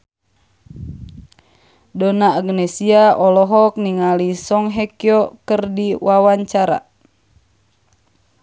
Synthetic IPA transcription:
donaːɡnesiaɔlɔɦɔk̚niŋalisɔŋɦekiɔkərdiwʔawaɲt͡ʃaɾa̰

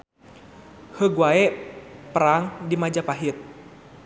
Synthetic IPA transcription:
həɡwaɛpəɾaŋdimad͡ʒapaɦit̪̚

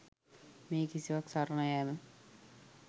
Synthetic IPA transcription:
meːkisiʋaksaɾnɐjaːmə

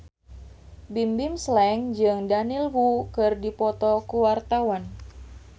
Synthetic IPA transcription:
bimbimslɛŋd͡ʒɨŋdanilwukɨrdipɔt̪ɔkuwart̪awan

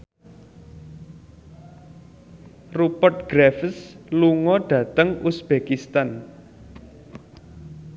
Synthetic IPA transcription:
rupərt̪̚ɡ̥ɾɛfəsluŋɔɖ̥ä̤t̪əŋusb̥ekist̪an

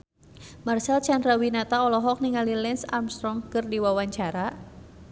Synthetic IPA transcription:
marsalt͡ʃandɾawinat̪aɔlɔɦɔk̚niŋalilɛnsamst̪ɾɔŋkɨrdiwawaɲt͡ʃaɾa

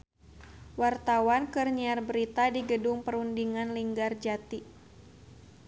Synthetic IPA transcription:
wart̪awankərɲiarbəɾit̪adiɡədʊŋpəɾundiŋanliŋɡard͡ʒat̪i

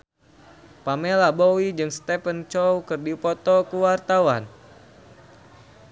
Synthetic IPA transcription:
pamelabowid͡ʒɨŋst̪ɛfənt͡ʃɔwkɨrdipɔt̪ɔkuwart̪awan

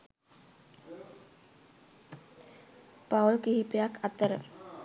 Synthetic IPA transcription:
pawlkiɦipejakʰat̪əɾə̰

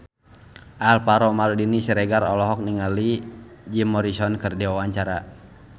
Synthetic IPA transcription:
ʔalpaɾɔmaludinisɛɾɛɡaɾɔlɔɦɔk̚niŋalid͡ʒimɔɾisɔnkərdɛwawaɲt͡ʃaɾa

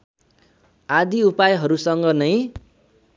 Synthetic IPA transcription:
ad̪iupajɦʌɾusʌŋɡʌnʌj̃

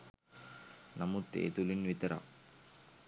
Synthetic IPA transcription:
nɐmut̪ːḛːt̪ulinʋit̪ɐɾa̰

